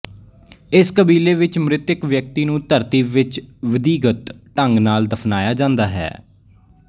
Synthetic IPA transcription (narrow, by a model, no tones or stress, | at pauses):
ɪskəbiːleːʋɪt͡ʃmɾɪt̪ɪkʋjək̚t̪iːnũːt̪əɾt̪iːʋɪt͡ʃʋəd̪iːɡət̪ʈəŋɡnaːld̪əpʰnaːjaːd͡ʒãːnd̪aːɦɛ̰ː